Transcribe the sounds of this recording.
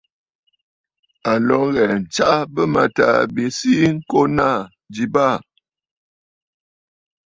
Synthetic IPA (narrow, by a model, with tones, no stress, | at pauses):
a˨lɔ˨˦ŋɣɛ˨n̩˨t͡ʃa˦bə˦ma˨ta̰˨bi˨si˦ŋ̩˦ko˦na˦˨ | d͡ʒi˨ba˦˨